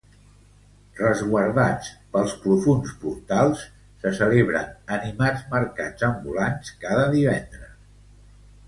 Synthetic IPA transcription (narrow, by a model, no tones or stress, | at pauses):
rəzɣwəɾðat͡spəlˠspɾufunspuɾt̪alˠsː | əsəleβɾə̰nənimad͡zməɾkḁd͡zəmbulanskaðəðiβ̞ɛnd̪ɾəs